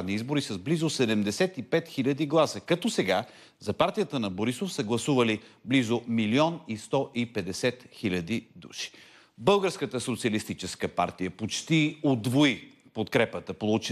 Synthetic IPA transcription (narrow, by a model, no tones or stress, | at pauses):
vniizboɾisɐzblizosɛd̪ɛmd̪ɛsɛt̪ipɛt̪xilʲɐd̪iɡlˠasəkɐt̪ɔsɛɡa | zɐpaɾt̪ijət̪ənɐboɾisofsəɡlˠɐsuvɐliblizomiliɔnist̪ɔʔipɛd̪ɛsɛt̪xilʲɐd̪id̪ṵʃi̥ | bɤlˠɡəɾskət̪əsot̪siəlist̪it͡ʃɛskəpa̰ɾt̪ijəpot͡ʃt̪iod̪voipot̪kɾɛpət̪əpolˠut͡ʃi